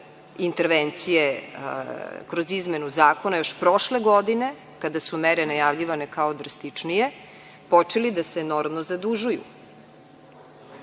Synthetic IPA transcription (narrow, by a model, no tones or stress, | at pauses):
int̪eɾʋent̪sije | kɾozizmenuzaːko̞najo̞ʃpɾoʃleɡod̪ine̞ | kad̪asumeɾenajavʎiʋane̞kaod̪ɾast̪it͡ʂnije̞ | pot͡ʃelid̪aseno̞ɾmnozad̪uʒujṵ